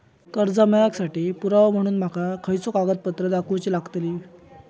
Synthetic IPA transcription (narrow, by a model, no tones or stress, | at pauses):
kəɾd͡zamɛjaksaʈiːpuɾaʋam̤əɽ̃uːnm̤akakʰəjt͡sokaɡət̪̚pət̪ɾəd̪akʰuwt͡ɕiːlaɡt̪li